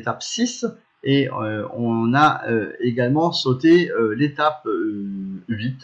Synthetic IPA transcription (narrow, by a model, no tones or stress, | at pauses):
t̪apsis | eøɔ̃naøeɡalmɑ̃sot̪eølet̪ap̚ | ɥit̪